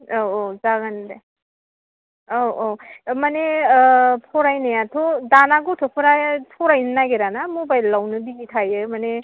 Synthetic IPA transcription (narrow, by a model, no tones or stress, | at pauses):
oozaɡande | owowmane | pʰɔɾajnajatʰodanaɡutʰɯpʰɯɾatʰɔɾajnɯnaɡeɾanamobajlːawnɯbiɡitʰajɯmane